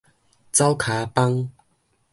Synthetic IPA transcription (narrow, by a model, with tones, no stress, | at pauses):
t͡sa˦wkʰa˨˦pa˦ŋ